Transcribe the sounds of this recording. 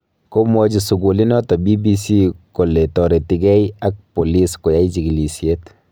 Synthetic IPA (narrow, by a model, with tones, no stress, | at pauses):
ko˦mɔ˦d͡ʒi˨su˨ɡu˨li˦nɔ˦tɔ˨bi˦bi˦si˦ko˨le˨tɔ˨ɾe˨ti˨ɡɛ˦ja˦k̚po˨li˦sko˨ja˦it͡ʃi˨ɡi˨li˨sjet